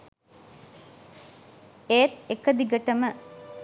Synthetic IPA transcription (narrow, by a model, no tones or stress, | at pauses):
eːt̪ekəd̪iɡəʈəmə